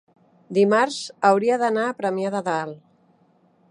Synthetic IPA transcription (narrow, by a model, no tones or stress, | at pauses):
d̪imaɾzəwɾiəðənaːpɾəmjaðəðal